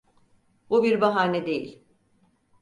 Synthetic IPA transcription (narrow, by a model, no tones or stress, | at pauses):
bubiɾbaɦaːnɛd̪e̞jḭlʲ